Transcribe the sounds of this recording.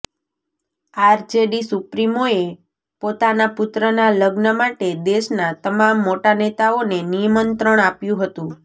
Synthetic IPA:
aɾd͡ʒeɖisupɾimoe | pot̪anapʊt̪ɾənaləɡnəmaʈed̪eʃnat̪əmamːoʈanet̪aonenijəmənt̪ɾəɳ̃apjũɦət̪ũ

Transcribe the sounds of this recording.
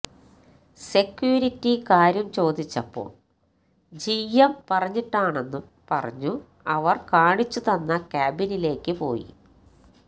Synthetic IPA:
se̞kjuːɾitːikaːɾjɐmt͡ɕo̞ːd̪it͡ɕːɐpːo̞̰ːɭ | d͡ʑijɐmpɐrɐɲːiʈːaːɳe̞nːum | pɐ̰rɐ̰ɲːu | ɐʋɐrkaːɳit͡ɕːut̪ɐnːɐkʲaːbinile̞ːkːɨpo̞̰ːjḭ

